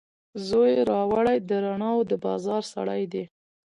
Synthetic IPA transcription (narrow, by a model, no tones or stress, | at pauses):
zojeɾɑwaɽajd̪əɾaɳɑwd̪əbɑzɑɾsa̰ɽajd̪e